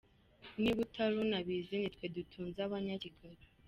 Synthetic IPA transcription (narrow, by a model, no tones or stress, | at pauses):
niβutʰalunaβiːzinitwedutʰuːnzaβaɲaciɡaɾi